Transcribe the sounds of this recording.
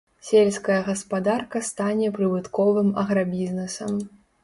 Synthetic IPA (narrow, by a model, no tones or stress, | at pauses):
sʲelʲskɐjɐɣɐspad̪arkɐst̪anʲɛpɾɨbɨt̪kɔvɨmɐɣɾabʲiznɛsɐm